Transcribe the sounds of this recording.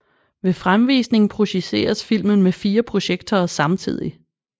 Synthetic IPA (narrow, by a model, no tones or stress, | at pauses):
ʋe̝fʁamʋḭːsne̝ŋ̩pʰʁo̝ɕise̝̰ːɐsfil̰mənmefiːɐpʰʁo̝ɕeɡ̥d̥ɐːsɑ̈mt͡sʰḭð̞̰ˠi